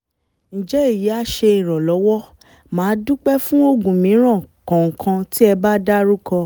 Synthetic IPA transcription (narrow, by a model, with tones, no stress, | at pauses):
n̩˨d͡ʒɛ˨˦i˦˨ji˨˦a˦ʃe˧ĩ˨ɾ̃ɔ̃˨lɔ˨˦wɔ˦ | mãː˨˦du˦k͡pɛ˦fũ˦o˦ɡũ˨mĩ˨˦ɾ̃ã˦˨kɔ̃˨ŋ̩˨kʰã˧ti˦ɛ˧ba˦da˦ɾu˦kɔ̃˧